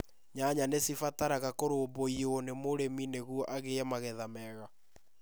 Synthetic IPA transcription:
ɲaɲanesifataɾaɣakoɾoːboionemoɾemineɣuɔʔaɣeɛmaɣɛðamɛɣa

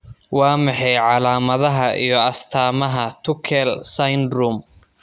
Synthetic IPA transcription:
wɑːmɑħɑjʕɑlaːmɐðɐɦɐʔḭjɞɐst̪ʰaːmɐɦɐt̪ʰʊkʰɛlsɐjnd̪ruːm

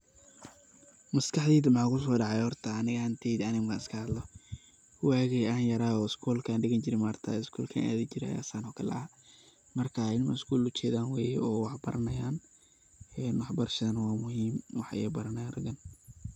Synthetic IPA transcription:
mɐskʰɑħd̪iːd̪ɐmʕɑːkʰʊs̬ɔːɖɑʕɑjhɔrt̪ʰɐːnɪɣɐɐnt̪ʰɛjd̪ɐnɪmɡaːnɪskʰɐhɐd̪lɔ | waːɣɛjaːnjɐɾaːɔːɪskʰuːlkʰaːnɖɪɣɐɲt͡ʃɪɾɪnmɐrt̪ʰɐ̰ːɪskʰuːlkʰa̰na̰ːðɪt͡ʃɪɾɛɐ̰ja̰ːsaːnɔkʰɐlɐ̰ɐ | mɐrkʰaːɪlmɐɪskʰuːlʊt͡ʃɛːðaːnwɛːjɛɔːwɑħbɐɾɐnɐjaːn | ɛːnwɑħbɐrʃɐðɐnwɑːmʊhiːmwɑħɛ̰ːbɐɾɐnɐjrɐɡɐn

